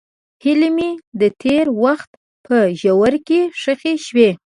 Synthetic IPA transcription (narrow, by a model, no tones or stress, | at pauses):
hɪlemid̪ət̪ʰeɾwaxt̪ | pʰəʒawaɾkeʂəxeʃwe